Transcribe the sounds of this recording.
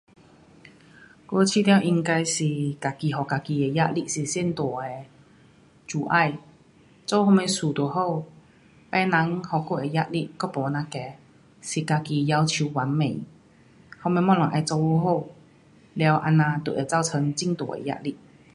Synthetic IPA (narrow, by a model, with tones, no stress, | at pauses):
ko˧t͡ɕʰi˧t̪ja˧wʔi˧ŋka˧jsi˨˩ka˨˧˩ki˨˩ɦɔ˨˩ka˧ki˧ɛ˨˧ja˦˧˥ʔ̚li˧˨si˨˩sji˥˧˨nt̪wɔ˨˩e˧ | t͡su˨ʔa˥˧˨j | t͡so˧whɔ˧mɛ˧su˨˩t̪wɔ˨˩ɦo˥˩w | pɛ˧na˨˧˦ŋhɔ˨˩ko˧˩ɛ˨˧ja˦˧˥ʔ̚li˧kɔ˥pɔ˨˧nã˧kɛ˨˦ | si˨˩ka˧˩ki˧ja˧wt͡ɕʰu˧wa˨˦nmḛ̃˨˩˦ | hɔ˧mɛ̃˧˩mɔ˥˩lɔ˨˩ʔa˧˩t͡so˧wo˧ɦo˥˧˨w | lja˧wʔa̰˧nːã˧t̪ṵ˨˩ʔɛ˨˩t͡sa˥˩˨wt͡sʰə˧˦ŋt͡ɕi˥˨ŋt̪ɔ˨˩ʔḛ˨ja̰˧˥ʔ̚li˧˩ʔ